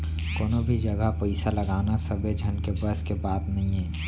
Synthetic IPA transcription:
koːnobʱid͡ʒəɡəpəɪsalɐɡaːnasəbed͡ʒʱənkebəskebaːt̪nɐɦĩɦɛ̃ː

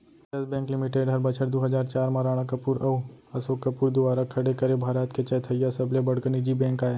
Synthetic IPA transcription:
t͡ʃɐsbɛ̃ːklɪmɪʈeːɖɦɐɾbɐt͡ʃʰəʈd̪oɦɐd͡ʒaːɾt͡ʃaːɾmaɾaːɽ̃akɐpuːɾɐuɐsoːkːəpuːɾd̪ʊʋaːɾakʰɐɽekɐɾebʱaːɾat̪ket͡ʃɐt̪ʰɐjːasɐblebɐɽkənid͡ʒibɛ̃ːŋkaːe

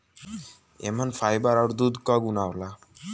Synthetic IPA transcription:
ḛmanfʰajbaɾawɾd̪ud̪kɔɡunawla

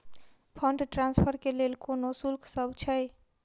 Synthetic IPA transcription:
pʰəɳɖʈɾanspʰəɾkelelkonosulkʰsəbʱt͡ʃʰəj

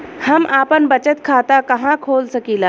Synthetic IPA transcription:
hɐmʔaːpənbɐt͡ʃət̪kʰaːt̪akɐɦãkʰoːlsɐkiːlaː

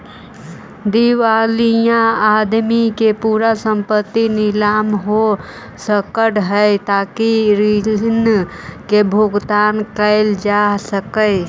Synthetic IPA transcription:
d̪iʋaːlijãad̪mikepuːɾasə̃mpət̪ːinɪlaːmɦo | səkəɽɦəɪt̪aːkiɾid͡ʒnkebʱoɡt̪aːnkəɪld͡ʒasəkəɪ

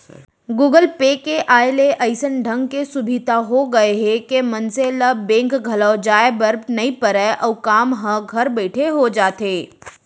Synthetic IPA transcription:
ɡuːɡəlpeːkeʔaːeleʔɐɪsənɖʱɐ̃ŋɡkesʊbʱɪt̪aɦoɡɐeɦɛkemɐnseləbẽːŋkɡʱɐləːd͡ʒaːebɐɾbnɐɦĩpəɾɛʔɔːkaːmɦə̃ɡʱɐɾbɛːʈʰeɦod͡ʒaːt̪eː

